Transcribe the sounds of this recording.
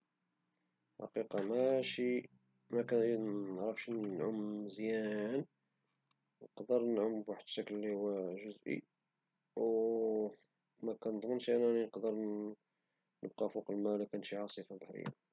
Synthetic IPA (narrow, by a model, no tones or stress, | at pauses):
ħɑ̰qiqɑmæʃi | mækæʕɾəfʃnʕʊmzjæn | nqd̪əɾnəʕʊmbwaħəd̪ʃækllːihuwæʒʊzʔḭ | w | mækænəd̪ˤmənʃʔænæninəqd̪əɾ | nəb̚qɑfuqəlmælækænʃiʕɑsˤəfabaħɾə̰jːæ̰